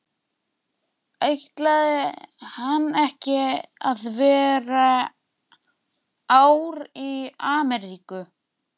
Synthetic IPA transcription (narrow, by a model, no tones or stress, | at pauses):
ejht̪laðɪhanːɛhcɪaðvɛːɾa | aːwɾiaːmɛɾiːkʏ